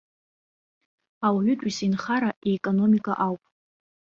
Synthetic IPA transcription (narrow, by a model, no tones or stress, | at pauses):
awʕʷʏtʷʼisinχaɾaʔeːkʼono̞mikʼaʔawpʼ